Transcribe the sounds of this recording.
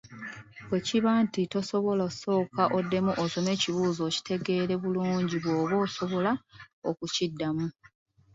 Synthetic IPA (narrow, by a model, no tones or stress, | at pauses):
bwe̞ciβaːntito̞so̞βo̞laso̞ːkaʔodːe̞muʔoso̞me̞ːciβuːzo̞ːci̥te̞ɡe̞ːɾe̞βuluːɲɟiβwo̞ːβo̞ːso̞βo̞laokucidːamu